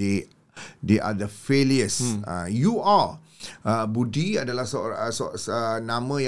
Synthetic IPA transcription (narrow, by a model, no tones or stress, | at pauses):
e | deʔa̰d̪əfeliəsã̰juʔa | ʔəbudiadəlahsɔsɔsənãmə̃jã